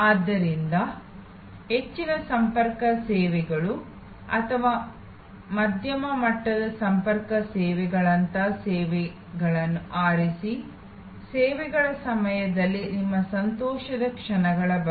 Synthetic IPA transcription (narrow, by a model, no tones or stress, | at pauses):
aːd̪ːɐɾind̪ɐ | ɦet͡ʃːiɾɐsɐmpɐɾkɐsɛːʋɛɡɐɭu | ɐ̰t̪ʰɐʋaː | mɐd̪ʱjɐmɐmɐʈːɐd̪ɐsɐmpɐɾkɐsɛːʋɛɡɐɭɐnt̪aːsɛːʋɛ | ɡɐɭɐnːuʔaːɾisi | sɛːʋɛɡɐɭɐsɐmɐjɐd̪ɐlːinimːɐsɐnt̪ɔːʃɐd̪ɐkʂɐɳɐɡɐɭɐbɐ